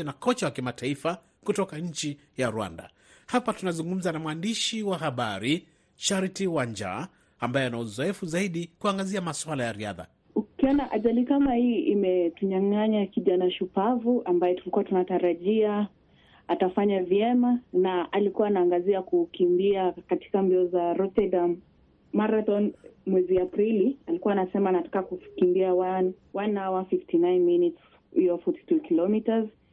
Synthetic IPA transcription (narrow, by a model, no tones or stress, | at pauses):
nakɔt͡ʃawakimataifa | kutɔkaɲ̩t͡ʃi | jaɾwa̰nda̰ | hapatunazuŋɡum̩zanamwandiʃiwaɦaɓaɾi | ʃaɾitiwand͡ʒa̰ː | mbajɛanauzɔɛfuzaiɗikuaŋɡaziamaswalajaɾia̰ða̰ | ukiɔnaʔaʄalikamahiʔimɛtuɲaŋaɲakiʄanaʃupavuʔambajɛtulikuwatunataɾaʄia | atafaɲavjɛmanaʔalikuwaːnaːŋɡaziakukimbiakati̥kambiɔzaɾɔtɛdamː | aɾaθɔnmwɛziapɾilialikuwaːnasɛmanatḁkakukimbiawan | wanhawafiftinajnminits | ijɔfɔti̥tukilɔmitaz